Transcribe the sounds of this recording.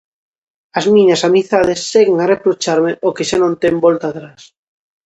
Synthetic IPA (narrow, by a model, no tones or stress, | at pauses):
azmĩɲasamiθaðesːeɣeŋarepɾot͡ʃaɾmeʔokeʃanõnt̪embolt̪aːt̪ɾas